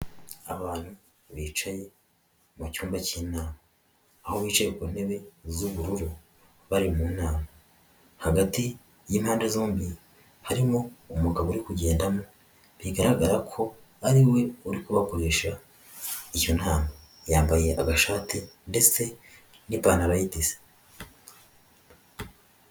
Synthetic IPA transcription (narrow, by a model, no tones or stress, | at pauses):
aβaːn̥hu | βiːt͡ʃaje̞ | mucuːmbaciːnaːmaː | ho̞βiːt͡ʃajekune̞βe̞zuβuɾuɾu | βaɾimunaːma | haɡati | jiːmhaːndezoːmbi | haɾimo̞ːmuɡaβoɾikuɟe̞ːndamo | βiɡaɾaɡaɾakʰo̞ | aɾiwe̞uɾikuβako̞ɾe̞ːʃa | icon̥haːma | jaːmbaje̞ʔaɡaʃaːtinde̞se̞ | nipaːnaβajitize̥